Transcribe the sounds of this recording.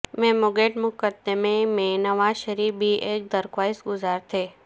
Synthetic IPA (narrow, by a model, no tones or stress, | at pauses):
mɛ̃mʊɡeʈmʊkəd̪emẽmẽnəʋaʃəɾibʱiʔek̚d̪əɾkʋaisɡʊzaɾt̪ʰe